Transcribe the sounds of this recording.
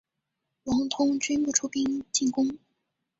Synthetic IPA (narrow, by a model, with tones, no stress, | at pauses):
wɑ˧˥ŋt̪ʰʊ˥ŋt͡ɕy˥npu˥˩ʈ͡ʂʰu˥pi˥ŋt͡ɕi˥˩kʊ˥ŋ